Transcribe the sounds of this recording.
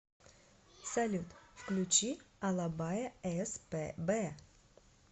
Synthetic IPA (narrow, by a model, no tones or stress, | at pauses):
sɐlʲut̪fklʲʉt͡ɕiɐlˠabajəɛspbɛ